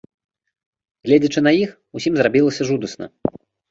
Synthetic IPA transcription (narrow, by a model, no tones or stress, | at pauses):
ɣlʲed͡zʲɐt͡ʂɨnɐjix | usʲimzrabʲilˠɐsʲɐʐud̪ɐsnɐ̰